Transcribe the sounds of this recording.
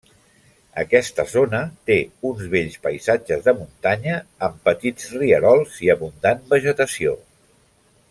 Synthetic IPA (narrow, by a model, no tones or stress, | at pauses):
ə̰kɛst̪əzonət̪eunzβeʎspəjzad͡ʒəzðəmunt̪aɲəːmpət̪id͡zriəɾɔlˠziəβund̪anbəʒət̪əsio